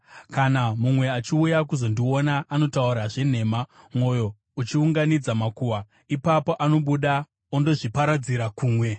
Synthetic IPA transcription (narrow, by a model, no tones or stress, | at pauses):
kanamumwe̞at͡ʃiujakuzo̞ndionaʔːno̞tauɾaʐe̞n̤e̞ːma | mwo̞jo̞ | ut͡ʃiuŋɡanid͡zamakuwa | ipapo̞ʔano̞ɓuɗa | ondo̞ʐipaɾad͡ziɾakuːmwe̞